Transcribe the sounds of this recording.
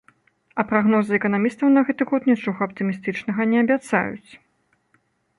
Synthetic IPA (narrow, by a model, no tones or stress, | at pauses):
ɐpɾaɣnɔzɨɛkɐnamʲist̪ɐwnɐɣɛt̪ɨɣɔt̪nʲɛt͡ʂɔɣɐɐp̚t̪ɨmʲist̪ɨt͡ʂnɐɣɐnʲɛɐbʲat̪sa̰jṵt͡sʲ